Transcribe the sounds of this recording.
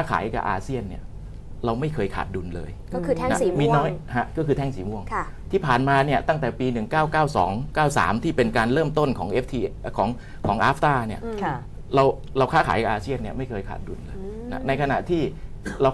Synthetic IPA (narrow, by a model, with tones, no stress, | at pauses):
aː˥˩kʰa̰ː˩˦jka̰˨˩ʔaː˧si˥˩ənːi˥˩ɐ | ɾa˧wma˥˩jkʰɤː˧jkʰa̰ː˨˩t̪̚du˧nlɤ̰ː˧j | ɔ˥˩kʰɯː˧˥na˦˥˨mi˧nɔː˦˥jha˦˥kɔː˥˩kɯː˧t̪ʰɛː˥˩ŋsiː˨˩˦mu˥˩əŋʰ | t̪ʰiː˥˩pʰaː˨˩nmaː˧ni˥˩ət̪a˥˩ŋt̪ɛː˨˩piː˧nɯ˨˩ŋkaː˥˩wkaː˥˩wsɔ̰ː˩˦ŋkaː˥˩wsa̰ː˩˦mt̪ʰiː˥˩pe˧nkaː˧nɾɤː˥˩mt̪o˥˩nkʰɔː˩˦ŋʔe˦˥p̚ʰt̪ʰiː˧kʰɔː˩˦ŋ | kʰɔː˩˦ŋʔaː˦˥p̚ʰt̪aː˥˩ni˥˩ɐ | ɾa˧w | ɾa˧wkʰaː˦˥˩kʰa̰ː˩˦jka˨˩ʔaː˧si˥˩ənːi˥˩ma˥˩jkʰɤː˧jkʰa̰ː˨˩t̪̚du˧nlɤː˧j | na̰˦˥na˧jkʰa˧na̰˨˩ʔt̪ʰiː˥˩ | ɾa˧w